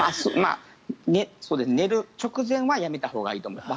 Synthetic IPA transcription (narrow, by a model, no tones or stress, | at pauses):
masma̰ː | neso̞ːd̪e̞sɨene̞ɾɯ̟t͡ɕo̞kɯ̟zẽ̞ɰ̃βajame̞t̪aho̞ːɡaiːt̪omoma